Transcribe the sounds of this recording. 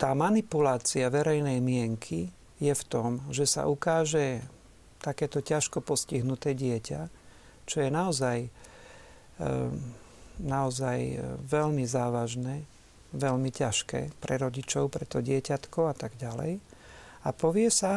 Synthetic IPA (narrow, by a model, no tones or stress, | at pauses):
t̪aːmanipulaːt͡siaʋɛɾɛjnɛjmɪɛŋkʰi | jɛft̪ɔmʒɛsa̰ʔukaːʒɛ | t̪akɛːt̪ɔcaʃkɔpɔsciɦnut̪ɛːɟɪɛca | t͡ʃɔjɛnaɔzaj | naɔzajʋɛlmizaːʋaʒnɛː | ʋɛlmicaʃkɛ̰ːpɾɛɾɔɟit͡ʃɔʊpɾɛt̪ɔɟɪɛcat̪kɔat̪aɡɟalɛ̰j | apɔʋɪɛsa